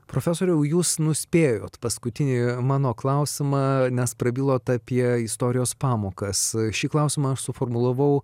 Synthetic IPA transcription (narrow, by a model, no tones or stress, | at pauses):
pɾoːfʲæsoːɾʲɛʊjuːsnʊsʲpʲeːjoːt̪pɐskʊt̪ʲɪnʲiːmɑːnoːklˠɐʊsʲɪmɑːnʲɛspɾɐbʲiːlˠoːt̪ɑpʲiɛɪst̪oːɾʲɪjoːspɑːmoːkɐsʃʲiːklˠɐʊsʲɪmɐɐʃsʊfoːrmʊlˠɐʋɐʊ